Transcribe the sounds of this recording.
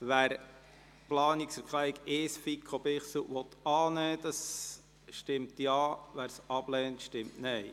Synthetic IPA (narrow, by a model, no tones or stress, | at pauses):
ʋæːɾ | plɑːniksfəɾkχlæiɡɪsfikʰχob̥ɪχsəʋɔt̪ɑːnɛːd̥ɑs | ʃtɪmtjɑːʋæːɾsɑb̥lɛːntʃtɪmtnɛj